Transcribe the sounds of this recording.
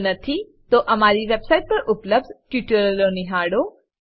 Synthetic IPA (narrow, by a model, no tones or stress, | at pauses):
nət̪ʰi | t̪oʔəmaɾiʋebsaiʈ̚pəɾʔʊpləb̚dkjuʈjoɾəloniɦaɽo